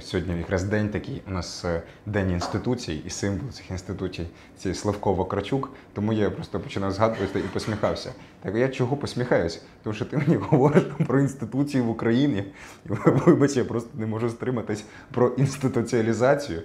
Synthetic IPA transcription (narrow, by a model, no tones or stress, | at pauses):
sʲɦɔdʲnʲijɐkɾɑzd̪ɛnʲt̪ɐkʲijʊnɑs | d̪ɛnʲinst̪ɪt̪ut͡sʲijiisɪmblˠt̪ɪ̥xinst̪ɪt̪ut͡sʲij̪ | sʲɛjslˠɐfkɔʋɐkɾɐt͡ʃʲukt̪ɔmujapɾɔst̪ɔpɔ̥t͡ʃɪnɑjʊzɦɑd̪ʊʋɐt̪ɪipɔsʲmʲixɑwsʲɐ | t̪ɛkjat͡ʃɔɦɔpɔsʲmʲixɑjʊsʲɐ̥t̪ɔmuʃt͡ʃɔt̪ɪmenʲiɦɔʋɔɾɪʃpɾɔinst̪ɪt̪ut͡sʲijʊʋʊkɾɐjinʲi | iʋʋɪbɐt͡ʃʲijapɾɔst̪ɔ̥nɛmɔʒʊst̪ɾɪmɐt̪ɪsʲ | pɾɔʔinst̪ɪt̪ʊt͡sʲiɐlʲizɑt͡sʲijʊ